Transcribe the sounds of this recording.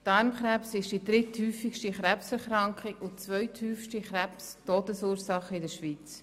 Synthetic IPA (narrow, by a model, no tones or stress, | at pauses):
dɑɾmχɾɛpsɪʃd̥idɾɪthyːfɪkʃtiχɾɛpsɛɾχɾɑŋkχikʊt͡svœʏtʰhyːfʃtiχrɛpstoːdəsuːɾsɑχəɪdəʃʋiːt͡s